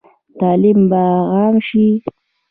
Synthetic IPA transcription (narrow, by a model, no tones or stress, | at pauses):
t̪aːlimbaɣɑːmʃi